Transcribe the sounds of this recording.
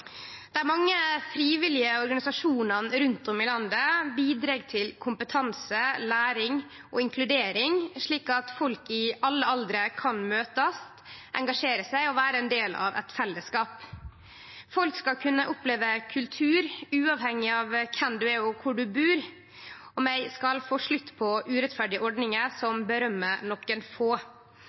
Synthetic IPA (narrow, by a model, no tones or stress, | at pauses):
d̪̥ɛæɾmɑŋːəfɾiːʋɪlɪəɔɾɡɑnɪsɑʂuːnɑnɾʉnt̪ɔmɪlɑnd̪əbiːd̪ɾɑːɡt̪ʰɪlkʰʊmpət̪ʰɑnsəlæːɾɪŋ | ʔɔ̰ɪŋkʰlʉd̪eːɾɪŋʂɭiːkɑt̪fɔlkɪɑlːəɑld̪ɾəkʰɑnmøːt̪əst̪ʔɛ̰ŋɡɑʂeːɾəsæɪɔʋæːɾəɛnd̪eːlɑ̰ʋɛ̰t̪fɛlːəskɑːp | fɔlkskɑlkʰʉnːəʔʊpleːʋəkʰʉlt̪ʰʉːɾʉːɑʋhɛŋːɪɑʋkʰɛmd̪ʉæɔkʰʊɖʉbʉːɾ | ɔmæɪskɑlfoːʂɭʉt̪ːpʰɔʔʉːɾɛt̪fæɖɪəʔɔɖnɪŋəsɔmbəɾœmːənɔkːənfoː